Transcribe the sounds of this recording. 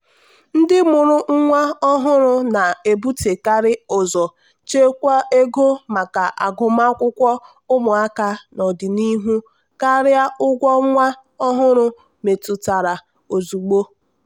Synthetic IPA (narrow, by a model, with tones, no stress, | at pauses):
n̩˦dɪ˦mʊ˨ɾʊ˦ŋ̩˦ŋʷa˦ɔ˦ɦʊ˦ɾʊ˦na˨e˨bu˦te˨ka˦ɾɪ˦ʊ˨zɔ˨ | t͡ʃe˦kʷa˦e˦ɡo˦ma˨ka˨ʔa˨ɡʊ˨ma˦kʷʊ˦kʷɔ˦ | ʊ˦mʊ˨a˦ka˦nɔ˨dɪ˨ni˦ɦu˦ | ka˦ɾɪ˦a˦ʔʊ˦ɡʷɔ˦ŋʷa˦ | ɔ˦ɦʊ˦ɾʊ˦ | me˨tu˨ta˨ɾa˨ | o˨zu˨ɡ͡bo˦